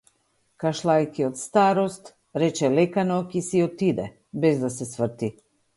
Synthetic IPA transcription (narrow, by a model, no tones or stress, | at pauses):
kaʃlˠajkiɔt̪st̪aɾɔst̪ | ɾɛt͡ʃɛlɛkanɔkisiɔt̪id̪ɛ̰ | bɛzd̪asɛsvr̩t̪i